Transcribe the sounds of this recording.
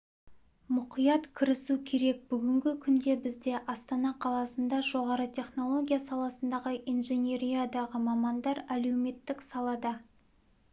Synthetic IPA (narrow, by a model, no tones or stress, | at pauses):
mʊqijɑt̪kʲʰɪɾɪsukʲʰe̞ɾe̞k̚bʏɡʲɪŋɡʲɪkʲʰʏnd̪e̞bɪzd̪e̞ʔɑst̪ɑnɑqʰɑlˠɑsənd̪ɑʒo̞ʁɑɾət̪ʲʰe̞χno̞lˠo̞ɡʲijasɑlˠɑsənd̪ɑʁəʔinʒenʲe̞ɾijad̪ɑʁəmɑmɑnd̪ɑɾæle̞wme̞t̪ːɪksɑlˠɑd̪ɑ